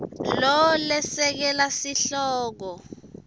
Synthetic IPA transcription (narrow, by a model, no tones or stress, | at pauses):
lɔlɛsɛk̬ɛlasiɬɔːk̬ɔ